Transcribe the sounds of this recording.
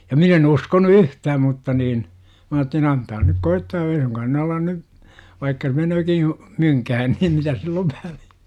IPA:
jɑ min en uskonu yhtæːm mutːɑ niːn m ɑːtːelin ɑntɑː nyk koitːɑː ei suŋkɑːn ne ɑlɑn ny ʋɑikːɑ menøːki myŋkæhæn niːm mitæs silː oʋ ʋæliæ̥

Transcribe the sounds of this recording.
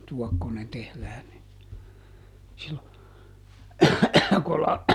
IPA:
tuɔkːonen tehlæːn ni silːo kolɑn

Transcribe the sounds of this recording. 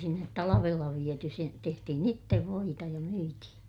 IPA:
sinːet tɑlɑʋelːɑ ʋiety se tehtihin itːeʋ ʋoitɑ jɑ myitihĩː

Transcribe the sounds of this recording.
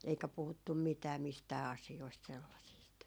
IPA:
eikæ puhutːum mitæː mistæː ɑsioist selːɑsiːst

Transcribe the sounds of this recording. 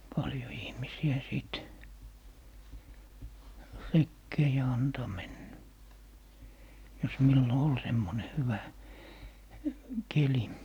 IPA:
pɑljo ihmisiæ siˑt rekːeː jɑ ɑntoˑ menːæ jos milːo ol semːone hyʋæ keli

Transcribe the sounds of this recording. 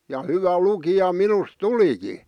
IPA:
jɑ hyʋæ lukijɑ minus tuliki

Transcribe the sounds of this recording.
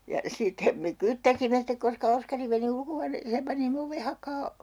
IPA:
jɑ sitːe me kytːæsimːe stek koskɑ oskɑri meni ulkohuɑneːseːm pɑnimːe oʋe hɑkɑː

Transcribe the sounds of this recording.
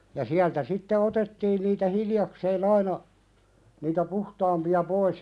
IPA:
jɑ siæltæ sitːe otetːiːn niːtæ hiljɑkseːn ɑinɑ niːtæ puhtɑːmpiɑ pois

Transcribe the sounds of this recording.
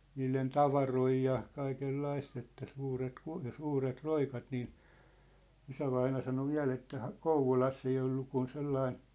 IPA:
niːlen tɑʋɑroi jɑ kɑikelːɑist etːæ suːret ku jɑ suːret roikɑt niː isæʋɑinɑ sɑno ʋiæ̝l etːæ hɑ kouʋolɑsː ei olːu kun selːɑin̞

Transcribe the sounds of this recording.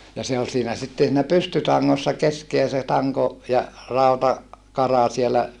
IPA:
jɑ se ol siːnæ sitːen siːnæ pystytɑŋːosːɑ keskeæ se tɑŋko jɑ rɑutɑ kɑrɑ sielæ

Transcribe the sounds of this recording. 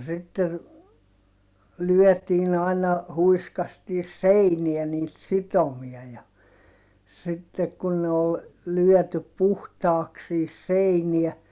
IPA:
sitːer lyœˑtiːn ɑinˑɑ huiskɑstiːs̆ seiniɛ niːt sitomiɑ jɑ sitːek kun ne ol lyœˑtyp̆ puhtɑːks sihis seiniæ

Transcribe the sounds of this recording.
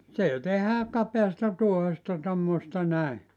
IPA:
se tehæː kɑpeɑstɑ tuohestɑ tomːostɑ næi

